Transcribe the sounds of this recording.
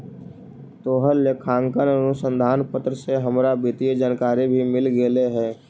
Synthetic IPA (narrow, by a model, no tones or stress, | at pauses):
t̪oːɦəlːekʰãːŋkənənʊsə̃nd̪ʱaːnpət̪ɾəseɦəmɾabɪt̪id͡ʒəːnkaːɾibʱimɪlɡeleɦɛː